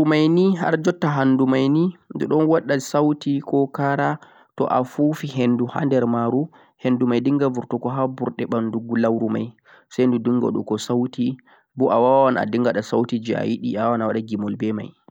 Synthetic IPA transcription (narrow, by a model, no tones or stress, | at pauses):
umajniɦa̰ɾd͡ʒɔtːaɦanːdumajnindɔ̰ɗɔnwaɗːasawtikɔkaɾa | tɔ̰ʔafufiɦenduha̰ndɛɾmaɾu | hendumajdiŋɡavuɾtɔkɔɦabuɾɗɛɓanduɡulawɾuma̰j | sajndudiŋɡɔ̰ɗṵkɔsawti | buʔawawana̰diŋɡaɗasawtid͡ʒia̰jiɗḭawanawaɗaɡimɔlbɛma̰j